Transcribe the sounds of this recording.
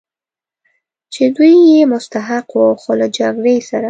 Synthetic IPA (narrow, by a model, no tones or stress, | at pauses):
t͡ʃed̪ujːemʊst̪aɦaqwəwxolad͡ʒaɡɾejsaɾa